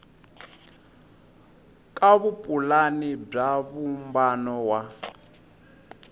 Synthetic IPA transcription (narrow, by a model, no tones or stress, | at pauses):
kʼaβupʼulanib͡ʐaβumbanɔwa